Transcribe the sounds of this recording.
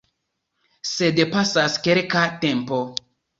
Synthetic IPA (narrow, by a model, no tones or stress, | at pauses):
se̞dpasaskelkate̞mpo̞